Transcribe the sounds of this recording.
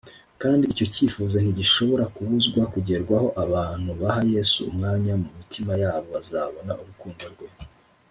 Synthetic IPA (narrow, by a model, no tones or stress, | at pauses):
kaːndiːco̞ciːfuːzan̥iɟiʃo̞βo̞ɾakuβuzɡwakuɟe̞ɾɡwaho̞ʔaβaːn̥huβaɦaje̞sṵːmŋaːɲamumitʰimajaːβo̞βazaːβo̞naʔuβukuːndaɾɡwe̞